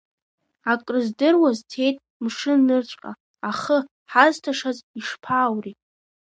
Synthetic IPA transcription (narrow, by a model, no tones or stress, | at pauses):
akʼrɨzdɨrwaztʰe̞jtʼ | mʂɨnɨrt͡ɕʷʼqʼa̰ | aχə | ħaztʰaʂaziʂpʰaːwri